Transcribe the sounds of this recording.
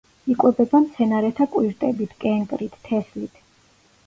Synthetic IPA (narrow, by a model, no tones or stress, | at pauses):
ikʼwɛbɛbamt̪sʰɛnaɾɛt̪ʰakʼwiɾt̪ʼɛbit̪ʰkʼɛŋkʼɾit̪ʰːɛslit̪ʰ